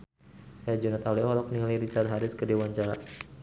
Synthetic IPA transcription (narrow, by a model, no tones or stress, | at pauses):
jad͡ʒunat̪aliɔɔɾɔk̚nilaɾit͡ʃart̪̚ɦaɾɪskədewaɲt͡ʃaɾa